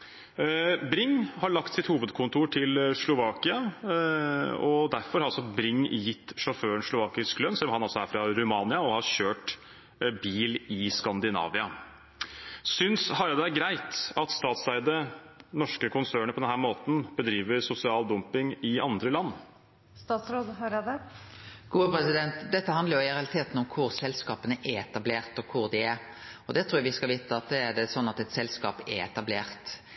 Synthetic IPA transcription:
bɾɪŋːhɑɭɑkt̪sɪt̪huːʋəd̪kʰʊnt̪ʰuːʈʰɪlʂlʊʋɑːkɪɑ | ɔd̪æɾfɔɾhɑɾɑlsɔbɾɪŋjɪt̪ːʂɔføːəɳʂlʊʋɑːkɪsklœnsɛlːɔmhɑnɑlsɔæɾfɾɑɾʉmɑːnɪɑɔhɑɾɕøːʈ | biːlɪskɑnd̪ɪnɑ̰ːʋɪɑ | sʏnshɑɾɑd̪ɛæɾɡɾæɪt̪ɑt̪st̪ɑːt̪sæɪd̪ənɔʂkəkʰʊnsøːɳəpʰɔd̪ɛnhæːɾmoːt̪n̩b̥əd̪ɾiːʋəɾsʊsɪɑːld̪ɔmpɪŋɪɑnd̪ɾəlɑnː | st̪ɑːt̪sɾoːd̪ɦɑɾɑd̪ə | ɡ̥uːəpʰɾɛsɪd̪ɛnt̪d̪ɛt̪ːəɦɑnd̪əɾjʊɪɪɾɛɑlɪt̪ʰeːt̪n̩ʊmkʰʊɾsɛlskɑːpənəʔæɛt̪ɑbleːɾt̪ɔkʰʊɾd̪ɪæɾ | ɔd̪ɛt̪ʰɾuːjɑʋɪskɑlʋiːt̪əɑt̪̚d̪ɛːd̪ɛsɔnːɑt̪ɛt̪sɛlskɑ̰ːpɛɛt̪ɑbleːɾt̪

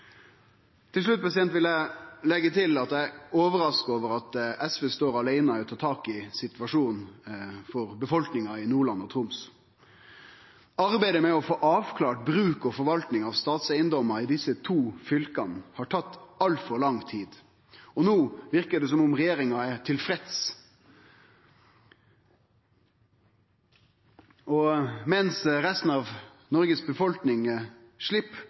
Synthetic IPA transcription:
t̪ʰɪlʂɭʉt̪̚pʰɑsɪɛnt̪ʋɪlælɛɡːət̪ʰɪlɑt̪æɪoːʋəɾɑskoːʋəɾɑt̪ɛsʋɛːst̪oːɾɑlæɪnɑɪɔt̪ʰɑːt̪ʰɑːkɪsɪt̪ʋɑʂuːnn̩fɔɾbəfɔlknɪŋɑɪnuːɭɑnːɔt̪ʰɾʊms | ɑɾbæɪd̪əmɛɔfoːʔɑːʋkʰlɑːʈ̚bɾʉːkɔfɔɾʋɑlt̪nɪŋɑʋst̪ɑːt̪sæɪənd̪ɔmːəɾɪd̪ɪsːət̪ʰuːfʏlkɑnhɑːʈʰɑt̪ːɑlfɔɾɭɑŋt̪ʰiːd̪ | ɔnoːʋɪɾkəd̪ɛs̬ɔmʊmɾɛjeːɾɪŋɑɛt̪ʰɪlfɾɛt̪s | ɔmɛnsɾɛst̪n̩ɑʋ | nɔɾɡəsbəfɔlknɪŋ | ʃɭɪpː

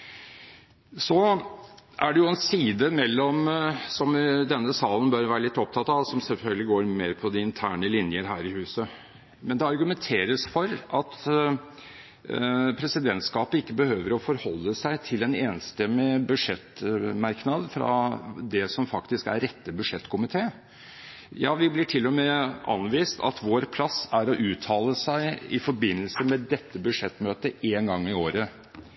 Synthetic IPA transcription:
sɔ | ʔæɖɛjʊɛnsiːd̪əmɛlːɔmsɔmd̪ɛnːəsɑːlən̩bøːɾʋæːɾəlɪt̪ːɔp̚t̪ʰɑt̪ːɑʋsɔmsɛlfœlɡəlɪɡoːɾmeːɾpʰɔd̪ɪɪnt̪ʰæːɳəlɪnjəɾɦæːɾɪhʉːsə | mɛnd̪ɛɑɾɡʉmɛnt̪ʰeːɾəsfɔɾɑt̪ | pʰɾɛsɪd̪ɛnt̪skɑːpəɪkːəbəhøːʋəɾɔfɔɾhɔlːəsæɪt̪ʰɪlɛneːnst̪ɛmːɪbʉʂɛt̪mɑɾknɑd̪fɾɑ̰d̪ɛsɔmfɑkt̪ɪskæ̰ɾɾɛt̪ːəbʉʂɛt̪ːkʰʊmɪt̪ʰeː | jɑːʋɪblɪʈʰɪlːɔmeːʔɑ̰nʋiːst̪ɑ̰t̪ʋoːɾpʰlɑsːæɾɔʔʉːt̪ʰɑːləsæɪɪfɔɾbɪnːəlsəmɛd̪ɛt̪ːəbʉʂɛt̪ːmøːt̪əʔeːnɡɑŋːɪoːɾə

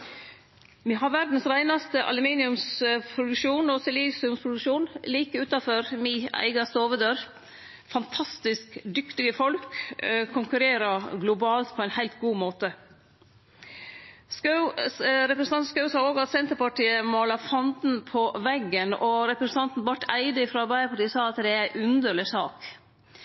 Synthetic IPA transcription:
ʋiːɦɑɾʋæɾd̪n̩sɾæɪnɑst̪əʔɑ̰lʉmiːnɪʉmspʰɾʊd̪ʉkʃuːnɔsɛliːsɪʉmspʰɾʊd̪ʉkʃuːnliːkəʉːt̪ɑfɔɾmɪæ̰ɪɡɑst̪oːʋəd̪øːɾ | fɑnt̪ʰɑst̪ɪskd̪ʏkt̪ɪɡəfɔlkkʰʊŋkʉɾeːɾəɡlʊbɑːlt̪pʰɔæɪnhæɪlt̪ɡuːmoːt̪ə | sk | ɾɛpɾɛsn̩ɑn̩skɑʉsɑːoːɡɑt̪sɛnt̪əɾpɑʈiːəmɑːlɑfɑnd̪n̩pʰɔʋɛɡːənɔɾɛpɾsən̩t̪ʰɑnt̪n̩bɑʈʰːæɪd̪əɪfɾɑbæɪpʰɑʈiːsɑːɑt̪d̪ɛæɾæɪʔʉnd̪əɭɪsɑːk

